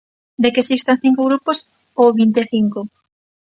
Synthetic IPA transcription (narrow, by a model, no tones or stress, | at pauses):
d̪ekesist̪aŋθiŋkoɣɾupos | owβint̪eθiŋko